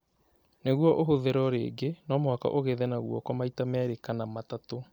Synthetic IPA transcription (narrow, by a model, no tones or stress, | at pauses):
neɣwɔʔoɦoðeɾɔɾḛːɡenɔmwaka̰ʔoɣeðɛnaɣwɔ̰kɔmaitamɛːɾekanamatato